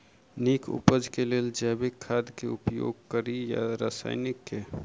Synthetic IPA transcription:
niːkʰʊ̰pəd͡ʒkeleːld͡ʒɛːbɪkʰːaːd̪keʊpjo̰ːɡ̚kəɾija̰ɾa̰ːsa̰ːɪnɪkːe

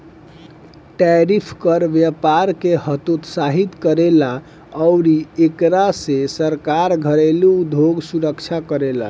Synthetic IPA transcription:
ʈɛɾipʰkəɾʋjapaɾkeɦət̪ut̪saɦit̪kəɾela | əʊɾiekɾasesəɾkaɾɡʱəɾelud̪ʱoɡsuɾəkt͡ʃʰakəɾela̰

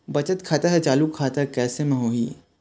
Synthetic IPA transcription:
bɐt͡ʃət̪kʰaːt̪aɦɛt͡ʃaːlukʰːaːt̪aɦkɛːsemẽɦoːḭː

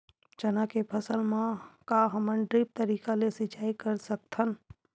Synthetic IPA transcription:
t͡ʃɐnakepʰəsəlmãkaɦɐmənɖɾiːp̚t̪əɾiːkalesɪt͡ʃaːikɐɾsɐk̚t̪ʰən

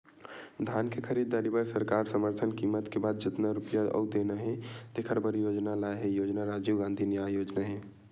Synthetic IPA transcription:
d̪ʱaːnkekʰəɾiːd̪̚ːaɾibəɾsəɾkaːɾsəməɾt̪ʰənkimət̪kebaːd̪̚d͡ʒɪt̪naɾupjaɔ̰ʊd̪enaɦɛ̃t̪ekʰəɾbəɾjod͡ʒnalaeɦɛjoːd͡ʒnaɾad͡ʒuɡãːnd̪ʱinjajoːd͡ʒnaɦẽ

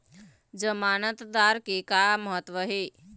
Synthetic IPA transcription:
d͡ʒəmaːnət̪d̪aɾkikaməɦət̪ːʋəɦe

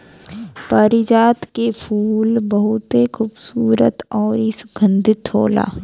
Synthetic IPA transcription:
pəɾɪd͡ʒaːt̪kepʰuːlbɐɦʊt̪ekʰuːbsuːɾə̰t̪ɔːɾisʊ̥ɡʰʱə̃nd̪ɪt̪ɦo̰ːla̰ː

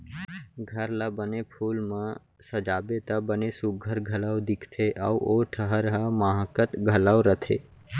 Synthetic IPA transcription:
ɡʱəɾlabənepʰulmã | səd͡ʒabet̪abənesuk̚ɡʱəɾɡʱəlaʋd̪ɪkʰt̪ʰeʔa̰uoʈʰəɦəɾɦəmaɦəkət̪ɡʱəlawɾət̪ʰe

